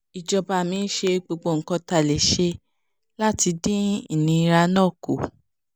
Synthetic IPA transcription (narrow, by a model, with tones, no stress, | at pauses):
i˨d͡ʒɔ˨ba˨mĩ˧n̩˦ʃe˧ɡ͡bo˧ɡ͡bo˧˨ŋ̩˨kɔ̃˧ta˨le˨ʃe˧ | la˦ti˧dĩ˦i˦˨nĩ˧i˧ɾa˧nɔ̃˦˨ko̰˨